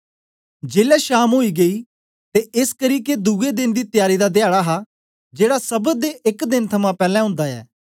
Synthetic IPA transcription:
d͡ʒeːlɛːʃaːmɦoːiːɡəiː | t̪eɪskəɾiːked̪uːed̪ɪnd̪iːt̪ɪjaːɾiːd̪aːd̪ɪjaːɽaɦaː | d͡ʒeːɽaːsəbəd̪eɪkd̪ɪnt̪ʰəmãːpɛːlɛ̃ːɦʊ̃ːnd̪aːɛ̰ː

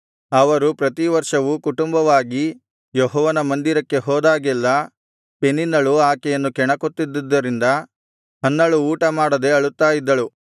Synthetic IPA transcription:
ɐʋɐɾupɾɐt̪iʋɐɾʂɐʋukuʈumbɐʋaːɡi | jɔɦɔːʋɐnɐmɐnd̪iɾɐkːe̞ɦɔːd̪aːɡɛlːɐ | peninːɐɭuaːkɛjɐnːukɛɳɐkot̪ːid̪ːid̪ːɐɾind̪ɐ | ɦɐnːɐɭuːʈɐmaːɽɐd̪e̞ɐɭut̪ːaːjid̪ːɐɭu

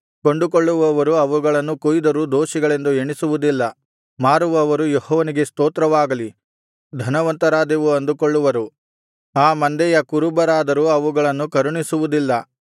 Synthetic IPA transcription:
ko̞ɳɖukoɭːuʋɐʋɐɾuɐʋuɡɐɭɐnːukujd̪ɐɾud̪oːʃiɡɐɭe̞nd̪ue̞ɳisuʋud̪ilːɐ | maːɾuʋɐːʋɐɾujehɔːʋɐniɡe̞st̪oːt̪ɾɐʋaːɡɐli | d̪ʱɐnɐʋɐnt̪ɐɾaːd̪iʋuɐnd̪ukoɭːuʋɐɾu | aːmɐnd̪ɛjɐkuɾubɐɾaːd̪ɐɾuɐʋuɡɐɭɐnːukɐɾuɳisuʋud̪ilːɐ

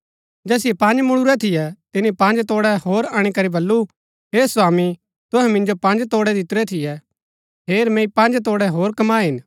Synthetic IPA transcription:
d͡ʒɛːsɪjɛpɐ̃nd͡ʒmʊɽ̃uɾɛt̪ʰɪjɛt̪ɪnipɐ̃nd͡ʒt̪oːɽɛhoːɾaːɽ̃ikɐɾibɐlːu | ɦeːswaːmi | t̪ʊ̃ɦɛ̃mɪ̃nd͡ʒopɐ̃nd͡ʒt̪oːɽɛd̪ʱɪt̪ɾɛt̪ʰɪjɛ | ɦeːɾmɛ̃ːipɐ̃nd͡ʒt̪̬oːɽɛɦoːɾkɐmaːɦɪn

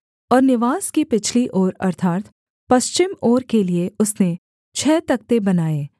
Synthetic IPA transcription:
ɔːɾnɪʋaːskipɪt͡ʃʰliʔoːɾɐɾt̪ʰaːt̪ | pɐʃt͡ʃɪmoːɾkelieʊsne | t͡ʃʰɛːt̪ɐk̚t̪ebɐnaːeː

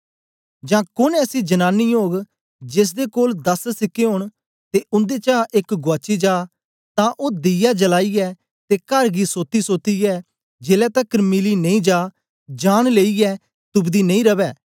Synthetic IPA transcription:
d͡ʒãːkʊnɛːsid͡ʒənaːnːioːɡ | d͡ʒɪs̬d̪ekoːld̪ɐssɪkːeɦõːɳ̃ | t̪eʊ̃nd̪et͡ʃaːʔekɡʊaːt͡ʃid͡ʒaː | t̪ãːʔoːd̪ɪjad͡ʒəlaːijɛː | t̪ekɐɾɡisoːt̪ːisoːt̪ijɛː | d͡ʒeːlɛt̪ɐkəɾmɪlinɐ̃ĩːd͡ʒaː | d͡ʒaːɽ̃leːijɛː | t̪ʊbd̪inɐ̃ĩɾɐbɛː

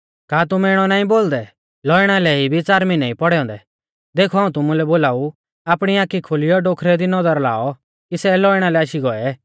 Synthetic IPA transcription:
kaːt̪̬ʊmɛɪɽ̃ɔnaːĩboːld̪ɛ | lɔɪɽ̃alɛibʱit͡saːɾminaipɔɽɛɔ̃ːnd̪ɛ | d̪eːkʰɔaːũt̪ʊmulɛboːlaːu | aːpɽ̃iaːkikʰolɪjɔɖoːkʰɾɛd̪inɔdəɾla̰ːɔ | kisɛlɔːɪɽ̃alɛaːʃiɡɔɛɛ

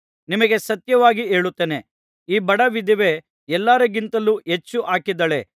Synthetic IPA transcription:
nimɐɡesɐt̪jɐʋaːɡieːɭut̪ːene̞ | iːbɐɽɐʋid̪ʱiʋe̞ | ɛlːaːɾɐɡint̪ɐluɦet͡ʃːuʔaːkid̪ɐɭe̞̰

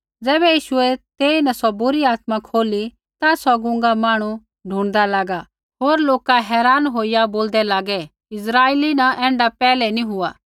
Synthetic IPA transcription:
d͡zɛːbɛjiːʃʊɛt̪eːinɐsɔbʊɾiaːt̪mãkʰoːli | t̪asɔɡʊ̃ŋɡamaːɽ̃u | ɖʱũːɽ̃d̪alaːɡa | ɦoːɾloːkaɦɛːɾaːnɦoːijaboːld̪ɛlaːɡɛ | ɪs̬ɾaːeːlinaʔɛ̃ːɳɖapɛːlɛniɦʊaː

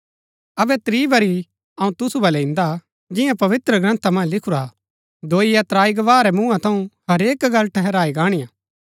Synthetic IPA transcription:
ɐbɛt̪ɾiːʋɐɾi | ɐũt̪ʊsubɐlɛɪ̃nd̪a | d͡ʒɪ̃jãpɐʋɪt̪ɾəɡɾɐ̃nt̪ʰamɐ̃ːlɪkʰuɾa | d̪oːijat̪ɾaːiɡɐʋaːɾɛmũːãt̪ʰɐũhɐɾeːkɡɐlʈʰɛɦɛɾaːiɡaːɽ̃ijaː

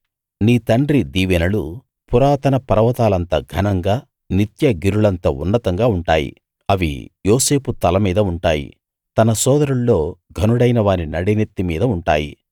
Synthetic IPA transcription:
niːt̪ɐɳɖɾid̪iːʋɛnɐlu | puɾaːt̪ɐnɐpɐɾɐʋɐt̪aːlɐnt̪ɐɡʱɐnɐŋɡaː | nit̪jɐɡiɾuɭɐnt̪ɐṵnːɐt̪ɐŋɡaːuɳʈa̰ːjḭ | ɐʋḭjoːse̞ːput̪ɐlɐmiːd̪ɐuɳʈa̰ːjḭ | t̪ɐnɐsɔːd̪ɐɾuɭːo̞ːɡʱɐnuɽɐjnɐʋaːninɐɽenet̪ːimiːd̪ɐuɳʈa̰ːjḭ

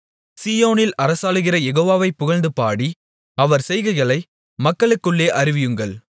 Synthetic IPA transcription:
siːjoːnɪlɐɾɐsaːɭɯɣɪrɐjɛɣoːʋaːʋɐɪpːʊɣɐlnd̪ɯpaːɽi | ɐʋɐɾsɛjɣɐɪɣɐɭɐɪ | mɐkːɐɭɯkːɯɭːeːʔɐɾɪʋɪjɯŋɡɐɭ

